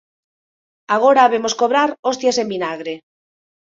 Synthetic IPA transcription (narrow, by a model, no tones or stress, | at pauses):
aɣ̞oɾaβemoskoβɾaɾost̪jasembinaɣɾe